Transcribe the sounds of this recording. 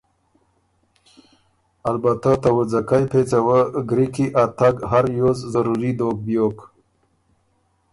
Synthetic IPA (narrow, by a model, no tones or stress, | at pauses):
albat̪at̪awəd͡zakajpʰet͡sawəɡɾikiʔat̪aɡɦaɾjozzaɾuɾid̪oɡ̚bjok